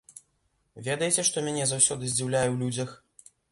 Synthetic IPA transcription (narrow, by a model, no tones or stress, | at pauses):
vʲɛd̪ɐjɛt͡sʲɛʂt̪ɔmʲanʲɛzawsʲɔd̪ɨzʲd͡zʲiwlʲajɛwlʲud͡zʲɐx